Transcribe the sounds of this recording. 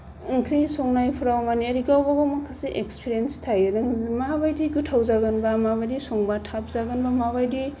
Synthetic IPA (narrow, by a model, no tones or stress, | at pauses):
ŋkʰɯjsoŋnajpʰɾawmaniɐɾiɡawbaɡamakʰasiʔekspʰiɾienstʰajedaŋzimabajdiɡutʰawzaɡɐnbamabadisoŋbatʰap̚zaɡanbamaβajdi